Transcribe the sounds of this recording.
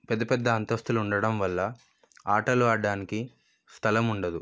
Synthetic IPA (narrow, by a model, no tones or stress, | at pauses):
pɛd̪ːɐpɛd̪ːɐɐnt̪ɐst̪uluɳɖɐɽɐmʋɐlːɐ | aːʈɐluaːɖːaːniki | st̪ʰɐlɐmuɳɖɐd̪u